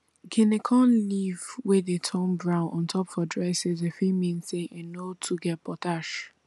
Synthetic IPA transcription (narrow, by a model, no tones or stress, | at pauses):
ɡenekʰɔ̃nlivwɪðetʰɔ̃nbɹãʊ̃nʔɔ̃ntʰɔpfɔdɹaɪsezefimĩnseʔenotʰuɡɛt̚pʰɔtaʃ